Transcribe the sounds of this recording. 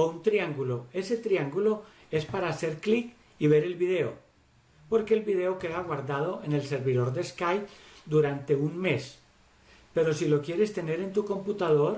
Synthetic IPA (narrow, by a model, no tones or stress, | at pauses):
ount̪ɾiaŋɡuloe̞se̞t̪ɾiaŋɡulo̞ | e̞spaɾaːse̞ɾklik | iβ̞e̞ɾelβið̞e̞o̰ | po̞ɾke̞ːlβið̞e̞oke̞ðaɣwaɾðað̞o̞e̞ne̞lse̞ɾβiðo̞ɾðe̞skajpd̪uɾant̪e̞uŋme̞s | pe̞ɾo̞silo̞kje̞ɾe̞st̪e̞ne̞ɾe̞nt̪uko̞mput̪aðo̞ɾ